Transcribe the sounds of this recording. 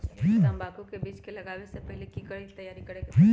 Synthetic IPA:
d͡ʒĩːɐmbaːkõkebiːt͡ʃkelɐɡaːʋesepɛɦlekikɐɽit̪ɐjːaːɾiɐɽed͡ʒĩː

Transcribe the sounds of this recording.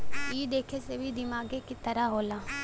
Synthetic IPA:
iːd̪eːkʰesebʱid̪ɪmaːɡekit̪əɾaɦoːlaː

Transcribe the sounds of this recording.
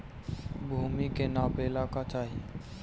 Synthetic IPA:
bʱuːmikenaːpeːlakat͡ʃaːɦie

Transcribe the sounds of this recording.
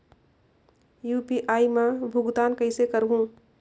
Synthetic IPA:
juːpiʔaːimẽbʱʊɡd̪aːnkəɪsekəɾɦũ

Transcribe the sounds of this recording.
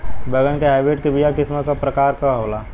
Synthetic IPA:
bəɡənkeɦaɪbeːʈkebijakɪsmakapɾɐkaːɾkaɦoːlaː

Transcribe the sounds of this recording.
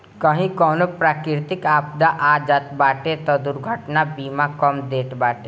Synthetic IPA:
kəɦĩkɔːnopɾaːkɪɾt̪ɪkaːpd̪aʔaːd͡ʒat̪baːʈet̪ɔd̪ʊɾɡʱəʈnabiːmakɔmd̪eːʈbaːʈe

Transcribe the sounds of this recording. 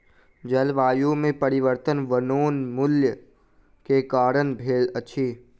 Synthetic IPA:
d͡ʒɐlʋaːjumẽpəɾɪʋəɾt̪ənʋənoːnmʊljə | kekaːɾənbʱeːləːʃʰiː

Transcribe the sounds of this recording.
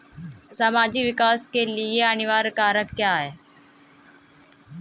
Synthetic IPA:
saːmaːd͡ʒikʋɪkaːskelieənɪʋaːɾkaːɾəkkːjaːɦeː

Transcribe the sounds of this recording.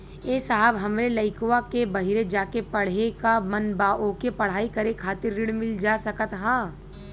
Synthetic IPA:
eːsaɦəbɦɐmɾelɐɪkowakebɐɦɪɾed͡ʒaːkepɐɽ̤ekamɐnbaːʔokepɐɽ̤aːikɐɾekʰaːt̪ɪɾːɪɽmɪld͡ʒaːsɐkət̪ɦãː

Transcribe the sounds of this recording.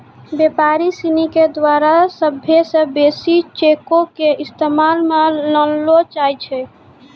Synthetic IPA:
bjepaɾisiniked̪waɾasəbʱjesə̃besit͡ʃekokeist̪emalmeləllot͡ʃajt͡ʃʰɛ

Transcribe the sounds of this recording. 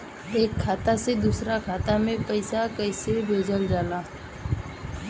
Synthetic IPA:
eːkʰːaːt̪ased̪uːsɾakʰaːt̪amẽpɐɪsakəɪsebʱeːd͡ʒəld͡ʒaːlaː

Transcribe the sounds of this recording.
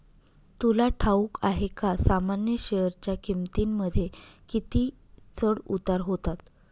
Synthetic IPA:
t̪ulaʈʰaukʰaɦekasamanjəɕejəɾt͡ɕjakimt̪imːəd̪ʱjekit̪iː | t͡səɽut̪aɾɦot̪at̪

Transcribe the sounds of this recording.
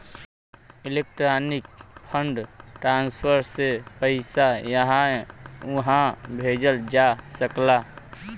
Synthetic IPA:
ɪlek̚ʈɾanik̚pʰəɳɖʈɾanspʰəɾsepəɪsajəɦã | ɦãbʱeːd͡ʒəld͡ʒasəkla

